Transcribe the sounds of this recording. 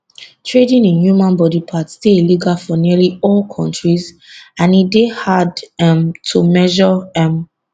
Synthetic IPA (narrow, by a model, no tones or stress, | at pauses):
tʰɹedĩnĩnjumãnbɔdipʰatsteliɡalfɔniəliɔlkʰɔ̃ntɹiz | ãnidehadɛmtʰumɛʒɔɛm